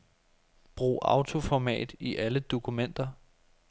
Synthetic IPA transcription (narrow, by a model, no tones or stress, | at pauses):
b̥ʁṵːʔɑ̈ʊt͡sʰo̝fɒmɛ̰ːd̥iʔæləd̥o̝kʰumen̰d̥ɐ